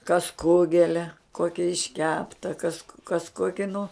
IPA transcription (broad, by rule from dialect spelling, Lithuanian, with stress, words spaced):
kɐs ˈkʊɡʲɛlʲɛ ˈkoːkʲɛ ɪʃʲˈkʲæːptɐ kɐs kɐs ˈkoːkʲɪ nʊ